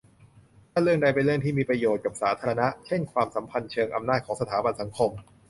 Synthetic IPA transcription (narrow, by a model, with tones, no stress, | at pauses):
waː˥˩ɾɯ˥˩əŋda˧jpe˧nlɯ˥˩əŋt̪ʰiː˥˩miː˧pɾa˧joː˨˩t̪̚ka˨˩p̚saː˩˦˥t̪ʰaː˧ɾa˧na˦˥ʔt͡ɕʰe˥˩nkʰwaː˧msa˩˦mpʰa˧nt͡ɕʰɤː˧ŋʔa̰˧mnaː˥˩t̪̚kɔː˩˦ŋsa˧t̪ʰaː˩˦ba˧nsa˩˦ŋkʰo˧m